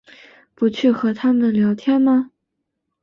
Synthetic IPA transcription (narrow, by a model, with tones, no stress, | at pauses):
pu˧˥t͡ɕʰy˥˩xɤ˧˥t̪ʰa˥mə˨nljɑ˧˥ʊt̪ʰjɛ˥˩nmɐ˧